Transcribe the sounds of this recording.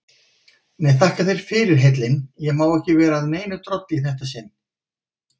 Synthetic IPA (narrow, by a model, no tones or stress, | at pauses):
mɛðθahkaθeɾ̥fɪɾɪɾ̥ɦejt̪lɪnjɛɣmawɛhcɪvɛːɾaðneːjnʏt̪ɾɔt̪liθɛht̪asɪn